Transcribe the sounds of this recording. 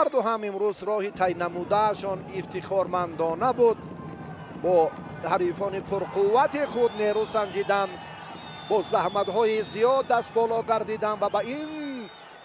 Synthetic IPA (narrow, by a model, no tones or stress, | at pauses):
aɾd̪uɦamimɾuzɾɔhit̪ʰajnamud̪aːʃɔnift̪ʰiχɔɾmand̪ɔnabud̪̚ | bɔ | haɾifɔnipʰuɾqʰuvːat̪iχud̪neɾusand͡ʒid̪an | bɔzahmat̪hɔizijɔd̪ːast̪̚bɔlɔɡaɾd̪id̪anvabain